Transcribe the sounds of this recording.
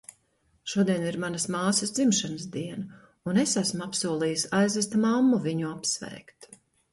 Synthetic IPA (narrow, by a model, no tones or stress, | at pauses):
ʃuɔd̪iɛniɾmanɐsmaːsəsd̪zimʃanəsd̪iɛnɐ | unesæsmapsuɔlˠiːjsajzɛst̪mamːuviɲuapsvɛ̰ːkt̪